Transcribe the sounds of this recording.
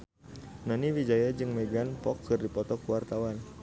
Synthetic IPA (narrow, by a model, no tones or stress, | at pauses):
nɔniwid͡ʒajad͡ʒɨŋmeɡanpɔkʰːɨrdipɔt̪ɔkuwart̪awan